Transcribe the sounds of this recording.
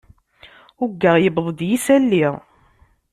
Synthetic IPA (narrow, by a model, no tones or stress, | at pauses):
ʊɡːəʁjəbðˤəd̪jisælːiʁ